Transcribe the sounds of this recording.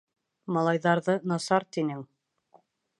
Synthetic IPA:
mɑlˠɑjðɑɾðɤnɑsɑɾt̪inɘŋ

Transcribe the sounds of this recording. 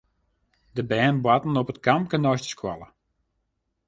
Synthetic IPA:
dəbɛːnbwatn̩ɔpətkamkənɔjstə̥skwa̰lˠə

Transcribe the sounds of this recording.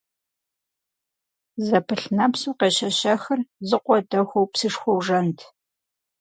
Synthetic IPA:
zɐpʰɨɬnɐpsuːqeːɕɐɕɐxɐrzɨqʷɔdɐxʷowpsɨʂxʷɔwʐɐntʰ

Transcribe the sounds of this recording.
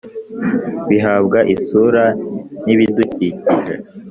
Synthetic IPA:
βiɦabɡaʔisuɾaniβiduciciɾḛ

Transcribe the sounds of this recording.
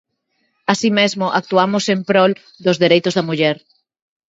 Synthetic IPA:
asimezmʊʔak̚t̪uamosempɾɔl | d̪ʊzðeɾejt̪ozðɐmuʎɛɾ

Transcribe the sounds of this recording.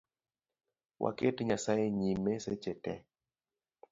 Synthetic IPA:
wʔa̰ketɲasajeɲimesɛt͡ʃɛtɛ̰

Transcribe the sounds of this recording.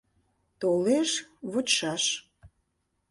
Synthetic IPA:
t̪oleʃβot͡ɕʃɑʃ

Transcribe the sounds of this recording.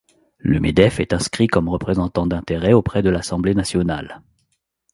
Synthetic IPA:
lə̰mḛd̪ɛfɛt̪ɛ̃skχikɔmʁəpχezɑ̃t̪ɑ̃d̪ɛ̃t̪eʁɛopχɛd̪əlasɑ̃blenasjɔna̰l

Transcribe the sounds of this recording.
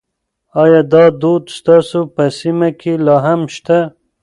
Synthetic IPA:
ɑjɑd̪ɑd̪od̪st̪ɑsopəsimakʰelɑɦamʃt̪a

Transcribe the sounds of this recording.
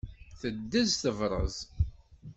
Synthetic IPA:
θəd̪ːəzθəvɾˤə̰z

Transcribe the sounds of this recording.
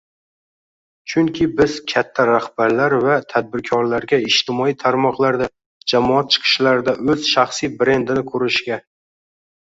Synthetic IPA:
t͡ʃʰʊŋkʲʰɪbɪz̥kʲʰat̪ʰːaɾahbaɾlaɾvat̪ʰad̪̚bɪɾkʲʰɒɾlaɾɡʲaɪʃt̪ʰɪmɒijt̪ʰaɾmɒqlˠaɾd̪a | d͡ʒamɒat̪̚t͡ʃʰɨ̥qʰɨ̥ʃlaɾɪd̪aʔɵz̥ʃaχsijbɾe̞nd̪ɪnɪkʰɵɾɪʃɡʲa

